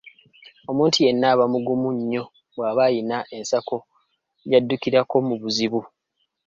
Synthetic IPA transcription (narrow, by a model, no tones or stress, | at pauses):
o̞muːntuje̞nːaːβamuɡumuɲːo̞ | βwaːβajinaʔe̞nsako̞ | jadːukiɾako̞muβuziβu